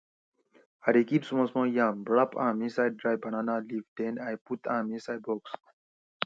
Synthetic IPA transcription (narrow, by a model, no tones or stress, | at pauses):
aɾekipsumõsmõːjãːmbɭapʰa̰ːmĩsaj̚ɖɾaːjbɐnaːnalivdẽnajput̪ʰãːmĩsajbɔks